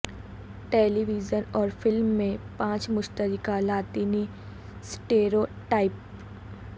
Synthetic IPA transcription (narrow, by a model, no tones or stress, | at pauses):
ʈeːliʋid͡ʒənɔːɾfɪlmːẽpãːt͡ʃmʊʃt̪əɾɪkalaːt̪iːni | sʈeːɾoːʈaːɪp